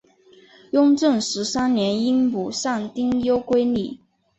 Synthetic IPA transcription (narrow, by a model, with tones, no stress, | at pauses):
jʊ˥ŋʈ͡ʂɤ˥˩ŋʂɻ̩˧˥sa˥nnjɛ˧˥ni˥ŋpu˨˩ʂɑ˥˩ŋt̪i˥ŋjo˥ʊkwe˥ɪni˥˩